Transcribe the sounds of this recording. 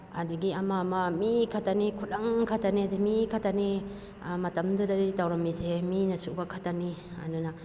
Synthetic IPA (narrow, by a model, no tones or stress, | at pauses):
a̰diɡiamamamikʰatanikʰutaŋkʰataniazemikʰatani | matamdɯdaɾitawɾamiseminɐsubakʰatania̰duna